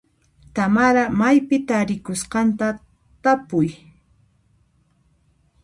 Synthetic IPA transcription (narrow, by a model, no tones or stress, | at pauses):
t̪amaɾamajpɪt̪aɾɪkʊsqɑnt̪a | t̪apʊj